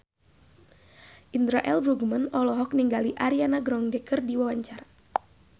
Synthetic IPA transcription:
ʔindɾaʔɛlbɾuɡmanɔlɔɦɔk̚niŋɡaliʔaɾianaɡɾɔŋdɛkərdiwawaɲt͡ʃaɾa

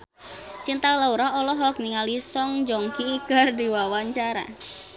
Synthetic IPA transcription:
t͡ʃint̪alauɾaɔlɔɦɔk̚niŋalisɔŋd͡ʒɔŋkikɨrdiwawaɲt͡ʃaɾa̰

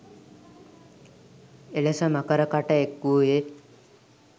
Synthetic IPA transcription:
elesəmakəɾəkaʈəekɡuoje

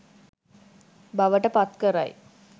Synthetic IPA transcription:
baʋəʈəpat̪kəɾa̰j

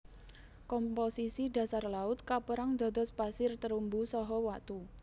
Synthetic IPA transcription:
kɔmposisida̤sarlaʊt̪̚kapəɾaŋd̪ɔ̤d̪ɔspasɪrt̪əɾumbusɔɦɔwaʔt̪u

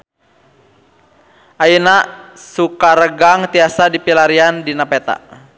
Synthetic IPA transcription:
ʔajənasukaɾəɡaŋt̪iasadipilaɾiandinapɛt̪a̰

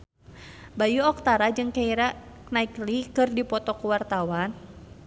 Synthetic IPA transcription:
bajuɔk̚t̪aɾad͡ʒɨŋkaiɾa | knaiklikɨrdipɔt̪ɔkuwart̪awan

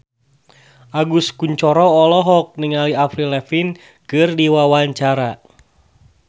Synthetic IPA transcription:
ʔaɡuskuɲt͡ʃɔɾɔːlɔɦɔk̚niŋaliafɾilɛfin | kɨrdiwawaɲt͡ʃaɾa

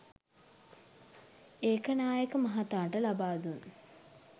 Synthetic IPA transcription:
eːkənaːjəkəmɐɦat̪aːʈəlabaːd̪un

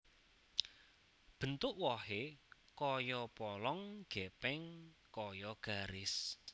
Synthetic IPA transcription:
b̥ə̤nt̪ʊʔwɔhe | kɔjɔpɔlɔŋɡ̥ɛpɛŋkɔjɔɡ̥a̤ɾɪs

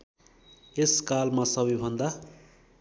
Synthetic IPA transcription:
eskalmasʌbʌjbʱʌnd̪a

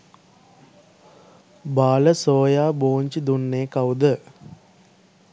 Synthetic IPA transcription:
baːləsoːjaːboːɲt͡ʃid̪unːeːkawd̪ə

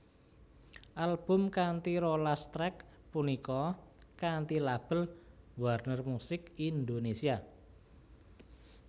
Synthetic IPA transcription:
ʔalb̥ʊ̤mkant̪iɾolast̪ɾɛk | punikɔkant̪ilab̥ə̤lwarnərmusɪkind̪onesia

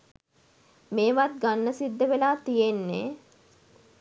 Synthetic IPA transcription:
meːʋat̪̚ɡanːəsid̪ːəʋelaːt̪ijenːe

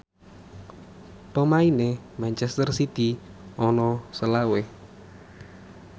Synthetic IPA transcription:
pəmainemant͡ʃɛst̪ərsit̪iɔnɔsəlawe

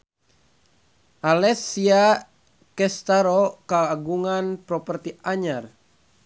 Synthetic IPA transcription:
ʔalɛsia | kɛst̪aɾokaːɡuŋanpɾɔpərt̪iaɲar

